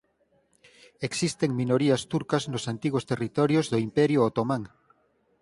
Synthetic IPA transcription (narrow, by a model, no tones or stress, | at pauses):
eksist̪eŋmĩnoɾiast̪uɾkaznosant̪iɣost̪erit̪oɾjozðoimpɛɾjoːt̪omãŋ